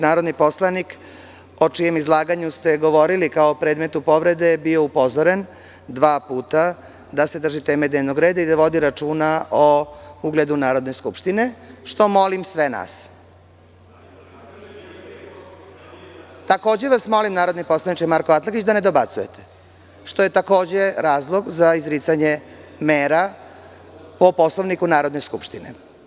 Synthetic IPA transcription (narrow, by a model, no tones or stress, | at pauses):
naːɾod̪nipo̞slanik | o̞t͡ʂije̞mizlˠaːɡaɲust̪e̞ɡo̞ʋo̞ɾilikaopɾeːd̪met̪upo̞ʋɾe̞d̪e̞bio̞upo̞zoɾe̞n | d̪ʋaːpuːt̪a | d̪ase̞d̪rʒit̪e̞ːmed̪neʋnoɡɾeːd̪aid̪aʋo̞d̪iɾat͡ʂuːnaouɡled̪unaːɾo̞d̪neskupʃt̪ine̞ʃt̪o̞mo̞limsʋena̰s | t̪ako̞ːd͡ʑe̞ʋasmo̞limnaːɾo̞d̪nipo̞slˠanit͡ʃemaːɾkoat̪lˠakit͡ɕd̪aned̪o̞bat̪suje̞t̪ʰe̥ | ʃt̪oje̞t̪ako̞ːd͡ʑe̞ɾaːzlˠo̞ɡzaizɾit̪saɲemeːɾa | opo̞slˠoʋnikunaːɾod̪ne̞skupʃt̪inḛ